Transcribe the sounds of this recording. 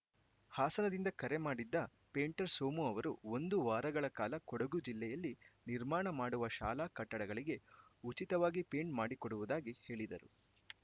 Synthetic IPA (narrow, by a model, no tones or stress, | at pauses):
haːsɐnɐd̪ind̪ɐkɐɾe̞maːɽid̪ːɐ | pe̞ːɳʈɐɾsoːmuɐʋɐɾuo̞nd̪uʋaːɾɐɡɐɭɐkaːlɐkɔɽɐɡud͡ʒilːɛjɐlːiniɾmaːɳɐmaːɽuʋɐʃa̰ːlaːkɐʈːɐɽɐɡɐɭiɡe̞ut͡ʃit̪ɐʋaːɡipeːɳɖmaːɽikɔɽuʋud̪aːɡihe̞ːɭid̪ɐɾu